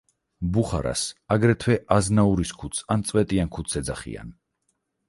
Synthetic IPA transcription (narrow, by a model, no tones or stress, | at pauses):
buχa̰ɾa̰saɡɾɛt̪ʰwɛʔaznauɾiskʰut̪sʰant̪sʼwɛt̪ʼiankʰut̪sʰɛd̪zaχḭa̰n